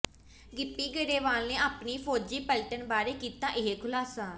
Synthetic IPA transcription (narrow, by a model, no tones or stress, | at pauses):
ɡɪpːiːɡəɾeːʋaːlnẽːaːpniːpʰoːd͡ʒiːpəlʈənbaːɾeːkiːt̪ãːʔɪɦeːkʰʊlaːsaː